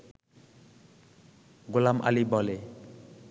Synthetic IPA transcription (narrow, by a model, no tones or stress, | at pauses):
ɡʊlamʔa̰libɔle